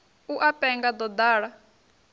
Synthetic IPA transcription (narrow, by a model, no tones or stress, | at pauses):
uʔapʼɛŋɡad̪ɔd̪aːɺa